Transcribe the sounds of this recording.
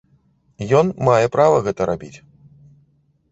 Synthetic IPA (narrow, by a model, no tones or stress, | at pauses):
jɔnmajɛpɾavɐɣɛt̪ɐɾabʲit͡sʲ